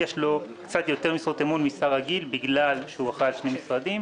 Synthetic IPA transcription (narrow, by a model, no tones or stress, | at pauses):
jeʃlo̞kkt͡sat̪jo̞t̪e̞ʁmisʁot̪emunmisaʁaɡilbiɡlalʃeuaχalʃne̞misʁadim